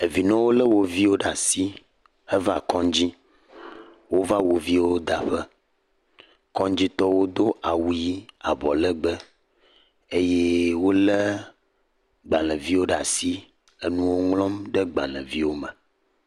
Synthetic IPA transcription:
e˨vi˨nɔ̃˦wo˦lə˦wo˨vi˦wo˦ɖa˨si˦ | ə˦va˨kɔ̃˦d͡ʑi˦ | wo˦va˦wo˨vi˦wo˦d̪a˨ɸɛ˦ | kɔ̃˦nd͡ʑi˦t̪ɔ˦wo˦d̪o˦ʔa˨wu˦ji˦a˨bɔ˨lə˦ɡ͡bə˦ | e˦jɛ˦wo˦lɛ˦ | ɡ͡ba˨lɛ̃˨vi˦wo˦ɖa˨si˦ | e˨nũ˦wo˦ŋlɔ̃˦mɖɛ˦ɡ͡ba̰˨lɛ̰̃˨vi˦wo˦mɛ˨

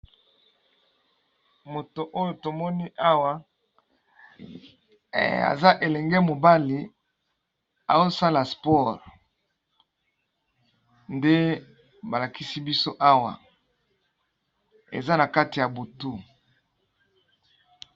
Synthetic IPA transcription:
mo˨to˨ʔo˦jo˨to˨mɔ˦ni˦ʔa˦wa˦ | a̰˨za˦ʔe˨lɛ˨ŋɡe˦mo˨ba˦li˨ | a̰˨zo˦sa˦la˨spɔ˦ʁ | nde˦ | ba˨la˨ki˦si˦bi˦so˦ʔa˦wa̰˨ | ḛ˨za˦na˨ka˦ti˨ja˨bo˨tu˦

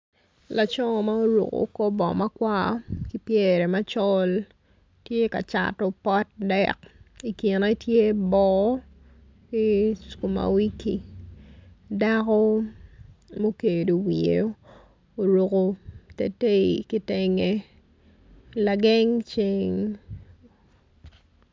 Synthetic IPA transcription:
la˨t͡ʃɔ˦ŋɔ˨ma˦o˦ɾo̰˨ko̰˨ko˦bɔ̰˨ma˦kwa˦ki˦pje˦ɾɛ˨ma˦t͡ʃɔ˦l | tje˦ka̰˨t͡ʃa̰˨tɔ˦pɔ˦t̚dɛki˨ki˨na˦tje˦bɔ˨ | ki˦sku˨ma̰˨wi˦kḭ˨ | da˦kɔ˦ | mo˦ke˨do˨wi˨ḛo˦ | o˨ɾo˨ko˨tḛ˨te˦i˨ki˦te˦ŋe˦ | la˨ɡɛ˦ŋt͡ʃi˦ŋ

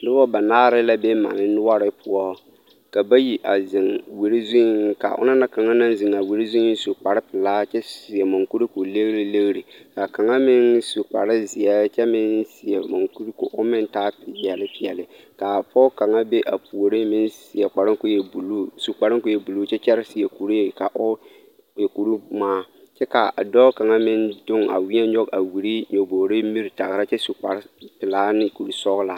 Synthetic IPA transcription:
nʊ˦bɔ˦ba˨naː˦ɾɪ˦la˦bɛ˦ma̰˨nɪ˦nʊ˦wa˦ɾɪ˦pʰʊ˦ɔ˦ | ka˨ba˦ji˨ʔa˨zɪ˨ŋwe˨ɾi˦zũ˦ŋka̰˨ʔʊ̰˦na˦na˦ka˨ŋa˦nã˦n˦zɪ˨ŋa˨we˨ɾi˦zu˦i˦su˨k͡pa˨ɾɪ˦pɪ˨laː˦t͡ʃɛ˦˨si˨ɛ˨mo˨ŋku˦ɾi˦ko˨le˦ɣɾi˨le˦ɣɾi˨ka˨ka˨ŋa˦mɪ˦nsu˨k͡pa̰˨ɾɪ˦zɪ˨ɛ˦t͡ʃɛ˦mɪ˦nsɪ˨ɛ˨mo˨ŋku˦ɾi˦ko̰˨ʔʊ˦mɪ̃˦n˦taː˦pɪ˨bi˨ɛ˨lɪ˦pɪ˨ɛ˨lɪ˨ | ka˨pɔː˦ka˨ŋa˦be˦ʔa˨pu˨o˨ɾe˦mɪ˦nsɪ˨ɛ˨k͡pa˨ɾɪ˦ŋko˦jɛ˨bu˨lu˦su˨k͡pa˨ɾɪ˦ko˦jɛ˨bu˨luː˦t͡ʃɛ˦t͡ʃɛ˦ɾɪ˦sɪ˨ɛ˨ku˨ɾe˦˨ka˨ʔʊ˦ | jɛ˨ku˨ɾu˦maː˦ | t͡ʃɛ˦ka˨a̰˨dɔ˦ka˨ŋa˦mɪ˦ndʊ˦ŋa̰˨wi˦ɛ˦ɲɔ˦ɡa˨wi˨ɾi˦ɲo˨boː˨ɾe˦mi˦ɾi˨ta˨ɣɾa˦t͡ʃɛ˦su˨k͡pa˨ɾɪ˦pɪ˨laː˦nɪ˦ku˨ɾu˦sɔ˦ɣla˨

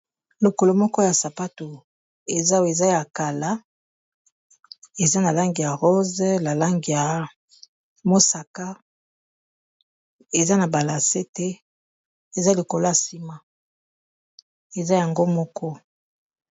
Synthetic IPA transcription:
lo˨ko˨lo˨mɔ˦kɔ˦ja˨sa˨pa˦to˨ | e˨za˦we˨za˦ja˨ka˨la˦ | e˨za˦na˨la˦ŋɡi˨ja˨ʁo˦zla˨la˦ŋɡi˨ja˨ | mo˦sa˨ka˦ | e˨za˦na˨ba˨la˨se˦tɛ˦ | e˨za˦li˨ko˨lo˦a˨si˦ma˦ | e˨za˦ja˨ŋɡo˦mɔ˦kɔ˦

